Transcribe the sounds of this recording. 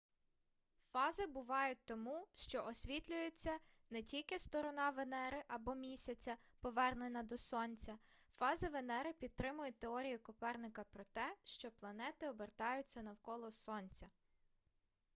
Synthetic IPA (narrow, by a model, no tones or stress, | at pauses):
fɑzɪbʊʋɑjʊt̚ʲt̪ɔmuʃt͡ʃɔʔɔsʲʋʲit̪ʲlʲʊjet͡sʲːɐ | nɛtʲilʲkɪst̪ɔɾɔnɑʋenɛɾɪʔɐbɔmʲisʲɐt͡sʲɐ | pɔʋɛrnenɐd̪ɔsɔnʲt͡sʲɐfɑzɐʋenɛɾɪpʲid̪̚t̪ɾɪmʊjɛt̪eɔɾʲijʊkʊpɛrnɪkɐpɾɔt̪ɛʃt͡ʃɔplˠɐnɛt̪ɪɔbert̪ɑjʊt͡sʲːɐnɐwkɔlˠɔsɔnʲt͡sʲɐ